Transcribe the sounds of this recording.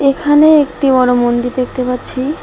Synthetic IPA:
ekʰaneekʈibɔɽomond̪iɾd̪ek̚ʰt̪epaɾːɕʰi

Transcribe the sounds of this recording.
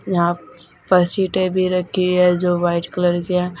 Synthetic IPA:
jɐɦã | pɐɾsiːʈebʱiɾɐkʰiɦɛd͡ʒoːʋaːɪʈkɐləɾkiɛ̃

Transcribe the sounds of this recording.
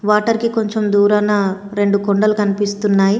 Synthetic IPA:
ʋaːʈɐɾkiko̞ɲt͡ʃemd̪uːɾaːnɐ | ɾe̞ɳɖukoɳɖɐlukɐnipist̪unːaːji

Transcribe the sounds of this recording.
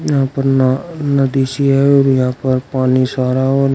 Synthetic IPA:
jãːpəɾnnəd̪iʃiajoɾjãːpəɾpaːnisaɾaon

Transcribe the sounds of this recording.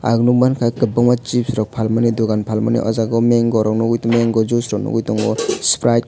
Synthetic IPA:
a̰ɡnumankʰakɯbaŋmat͡ʃip̚sɾɔk̚pʰalmaniduɡanpʰalma̰nḭʔɔ̰zaɡɔmeŋɡɔɾɔknɔɡujtɔmeŋɡɔzusɾɔknɔ̰ɡujtɔŋɡɔspɾajk

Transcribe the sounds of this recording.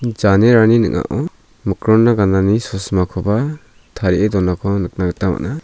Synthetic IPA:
d͡ʒaneɾaninɯ̰ŋa̰ʔɔ | mɯkɾɔnːaɡananisɔsmakʰɔba | t̪ʰaɾiedɔnakʰɔnɯk̚naɡɯtama̰ʔna

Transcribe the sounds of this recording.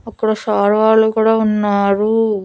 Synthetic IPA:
ɐkːuɽɐʃaːɾʋaːɾlukuːɽaːunːaːɾu

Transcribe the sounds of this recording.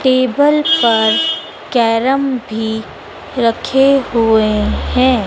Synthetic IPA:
ʈeːbəlpɐɾ | kɛːɾəmbʱi | ɾɐkʰeɦuehɛ̃ː

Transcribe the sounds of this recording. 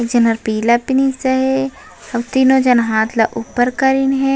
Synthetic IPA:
ekd͡ʒɐnɐɾpiːlapɪnisɐɦɛ | ɐʋt̪iːnõd͡ʒɐnɦãːt̪ʰlaʔupːəɾkɐɾinɦɛ̃

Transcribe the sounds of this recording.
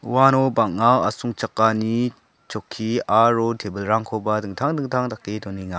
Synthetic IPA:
wanɔbaŋ̚ŋawa̰suŋt͡ʃakːani | t͡ʃɔkʰːiaɾɔtʰebəlɾaŋkʰɔbadɯŋtʰaŋdɯŋtʰaŋdakːedɔniŋa

